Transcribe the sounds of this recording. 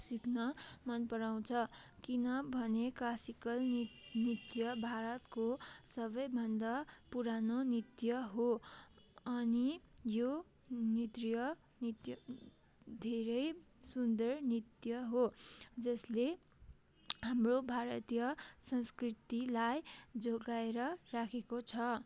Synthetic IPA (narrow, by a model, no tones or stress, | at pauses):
siknʌmʌnpʌɾaw̃t͡sʰʌkinʌbʱʌneklasikʌlnit̪jʌbʱaɾʌt̪kosʌbʌjbʱʌnd̪apuɾanonit̪jʌɦo | ʌnijo | nit̪rijʌ | nit̪jʌ | d̪ʱeɾʌjsund̪ʌrnit̪jʌɦod͡zʌsle | hamrobʱaɾʌt̪ijʌsʌnskrit̪ilajd͡zoɡaeɾʌrakʰekot͡sʰʌ